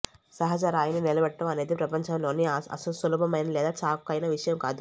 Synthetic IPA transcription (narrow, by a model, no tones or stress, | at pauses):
sɐɦɐd͡ʒaːɾaːjɐninilɐbɐʈːɐmɐne̞ːd̪ipɾɐpɐɲt͡ʃaːmloːniɐ̰sɐlusɐluːbʱɐmɐjnɐlɛːd̪aːt͡ʃaːkkːɐjnɐʋiʂɐjɐmkaːd̪u